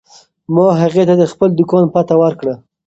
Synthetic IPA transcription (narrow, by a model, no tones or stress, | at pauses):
mɑɦaɣet̪ad̪əxpəld̪ʊkɑnpat̪awəɾkɽə